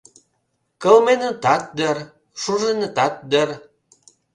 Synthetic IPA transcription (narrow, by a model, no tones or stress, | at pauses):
kəlmenə̆t̪ɑt̪̚d̪ər | ʃuʒenə̆t̪ɑt̪̚d̪ər